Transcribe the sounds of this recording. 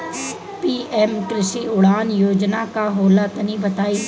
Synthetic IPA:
piːʔɛmkɾɪsiʊɽaːnjoːd͡ʒnakaɦoːlat̪ənĩbət̪aːiː

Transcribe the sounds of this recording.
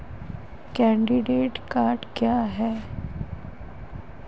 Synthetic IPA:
kɛ̃ɳɖiɖeːʈkaːɾʈkjaɦɛ

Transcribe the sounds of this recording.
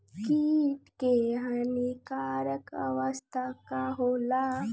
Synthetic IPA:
kiːʈkeɦənikaːɾəkə̰ʋəst̪ʰakaɦoːla

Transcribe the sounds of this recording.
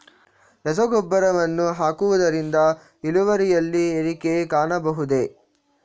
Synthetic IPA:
ɾɛs̬ɔɡɔbːɐɾɐʋɐnːuɦaːkuʋud̪ɐɾind̪ɐ | iluʋɐɾijɐlːieɾikekaːɳɐbɐɦud̪e̞

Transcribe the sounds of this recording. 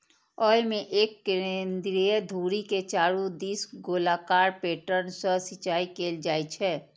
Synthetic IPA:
ɔːjmẽʔeːkːɪɾend̪ɾied̪ʱuːɾiket͡ʃaːɾud̪iːsɡoːlaːkaːɾpeːʈənsəsɪt͡ʃaːikeːld͡ʒaːit͡ʃʰɛː

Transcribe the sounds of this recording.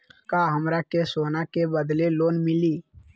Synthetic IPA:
kaɦəmɾakesoːnakebəd̪leloːnmɪliː

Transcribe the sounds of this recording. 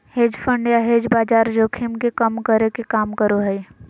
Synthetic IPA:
heːd͡ʒfʰə̃ɳɖjaɦeːd͡ʒbaːd͡ʒaːɾd͡ʒoːkʰimkekɐmkəɾekekaːmkəɾoɦɛi

